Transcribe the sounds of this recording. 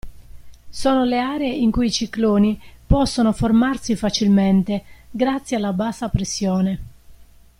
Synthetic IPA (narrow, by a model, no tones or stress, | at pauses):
sɔːnoleaːɾeeiŋkujit͡ʃikloːnipɔsːonoformarsifat͡ʃilment̪eɡɾat̪sːjealːabaːsːapɾesːjɔːne